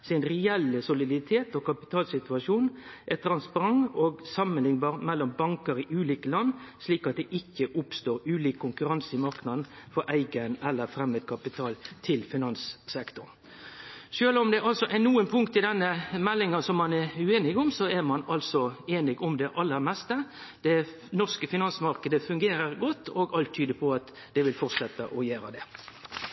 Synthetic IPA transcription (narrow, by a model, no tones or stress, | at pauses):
sɪnɾɛɛlːəsʊlɪd̪ɪt̪ʰeːt̪ɔkʰɑpɪ̥t̪ʰɑːlsɪt̪ʉɑʂuːnʔɛt̪ʰɾɑnspɑɾɑŋɔɡsɑmənlɪŋbɑːʁmɛlːɔmbɑŋkəɾɪʔʉːliːkəlɑnːsliːkɑt̪̚d̪ɛʔɪkːəʔʊpst̪oːɾʉːliːkʰːʊŋkʉɾɑnsɪmɑɾknɑd̪n̩fɔɾʔæɪɡənɛlːəɾfɾɛmːəd̪̚kʰɑpɪt̪ʰɑːlt̪ʰɪlfɪnɑnsːɛkt̪ʊn | ʃøːlɔmd̪ɛʔɑlsɔʔænuːənpʰʊŋkt̪ɪd̪ɛnːəmɛlːɪŋɑsɔmːɑnæʉeːnɪɡʊmsɔæmɑnɑlsɔeːnɪɡʊmd̪ɛʔɑlːəɾmɛst̪əd̪̥ɛ | nɔʁskəfɪnɑnsmɑɾkəd̪əfʉŋɡeːɾəɾɡɔt̪ːoːɡɑlt̪ʰːyːd̪əpʰɔɑt̪ | d̪̥ɛʋɪlfɔʁsɛt̪ːəʔɔjæːɾə̰d̪ɛ